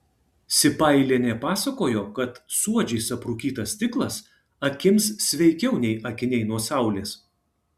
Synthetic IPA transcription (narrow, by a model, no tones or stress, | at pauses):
sʲɪpɐˑɪlʲeːnʲɛpɑːsɐkoːjoːkɐt̪suɔd͡ʒʲɛɪsɐpɾʊkʲiːt̪ɐst̪ʲɪklˠɐs | ɐkʲɪmssʲʋʲɛɪkʲɛʊnʲɛɪʔɐkʲɪnʲɛɪnuɔsɑˑʊlʲeːs